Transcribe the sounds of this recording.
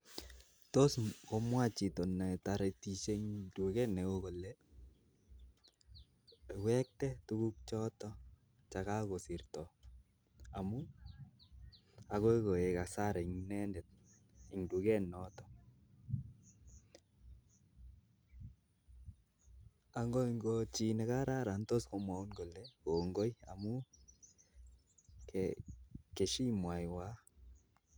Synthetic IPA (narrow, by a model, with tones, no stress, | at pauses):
to˦skɔ˦mwa˦˨t͡ʃi˨to˨nɛ˨taɾe˨ti˨ʃe˦ŋdu˨kɛ˦nɛ˨ko˦ko˨lːɛ˦˨ | wɛ˦k̚tɛ˦tu˦ku˦k̚t͡ʃɔ˦tɔ˦ | t͡ʃa˨ka˦ko˨si˨rtɔ˨ | a˨mu˦ | a˨ko˦ko˨e˨ka˨sa˦ɾe˨ŋnɛ˦ndɛ˨t̚ | i˨ŋdu˨kɛ˦nːɔ˦tɔ̥˨ | a˨ŋɡɔ˦iŋɡot͡ʃi˨nɛ˨ka˦ɾa˦ɾa˨ntɔ˦sko˨mwa˨u˦nɡo˨lɛ˦ko˨ŋɡo˦ja̰˨mu˦ | kɛke˨ʃi˦mwa˨jwa˦